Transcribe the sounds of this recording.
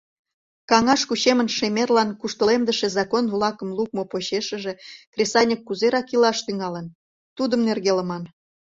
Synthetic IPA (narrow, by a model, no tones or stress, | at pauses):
kɑŋɑʃkuɕemənʃemʲerlɑnkuʃt̪əlemd̪əʃezɑkonvlɑkə̆mlˠuk̚mopoɕeʃə̆ʒe̽krʲesɑnʲikːuzeɾɑkilɑʃt̪yŋɑlən | t̪ud̪əmnerɣelə̆mɑn